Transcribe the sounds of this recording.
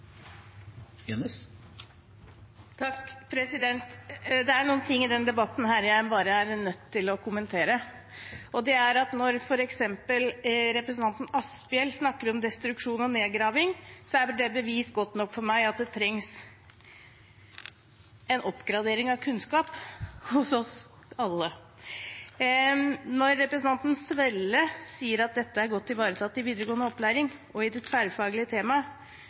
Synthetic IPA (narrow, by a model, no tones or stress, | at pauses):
jɑnəs | t̪ʰɑkːpʰɾɛsɪd̪ɛnt̪d̪ɛæɳuːən̩t̪ʰɪŋːɪd̪ɛnd̪ɛbɑt̪ːn̩ɦæːɾjæɪbɑːɾəæɾnœt̪ʰːɪlɔkʰʊmənt̪ʰeːɾə | ʔɔd̪ɛæɾɑt̪nɔɾfɔɾɛksɛmpəlɾɛpɾəsn̩ɑnt̪n̩ɑsbɪɛlsnɑkːəɾɔmd̪ɛst̪ɾʉkʂuːnɔneːd̪ɡɾɑːʋɪŋsɔæɖɛbəʋiːsɡɔt̪nɔkːfɔɾmæɪɑt̪̚d̪ɛt̪ʰɾɛŋs | ɛnʔɔpːɡɾɑd̪eːɾɪŋɑʋkʰʉnskɑːphʊsɔs | ɑlːə | nɔɾːɛpɾəsn̩ʰɑnt̪n̩sʋɛlːəsiːəɾɑt̪̚d̪ɛt̪ːəæɾɡɔt̪ːɪʋɑːɾət̪ʰɑt̪ːɪʋiːd̪əɾəɡoːənəɔplæːɾɪŋʔɔɪd̪ɛfæɾfɑːɡəlɪət̪ʰeːmɑ